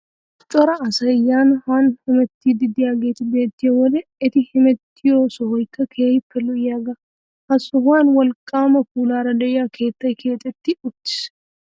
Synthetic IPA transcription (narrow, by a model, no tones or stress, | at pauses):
t͡ʃʼɔɾɐːsɐjːaːnhaːnhɪmɛt̪ːid̪ɪd̪ɪjaːɡe̞ːt̪ɪbe̞ːt̪ːɪjɔwɔd̪ɛɪt̪ɪhɪmɛt̪ːɪjoːsɔhɔjkːɐkʰeːjɪpːɛlɔjaːɡɐ | hɐsːɔɦaːnwɔlkʼːaːmɐkuːlaːɾɐd̪ɛʔɪjaːkʰe̞ːt̪ːɐjkʰe̞ːt̪ʼːɛt̪ːɪʊt̪ːɪ̥s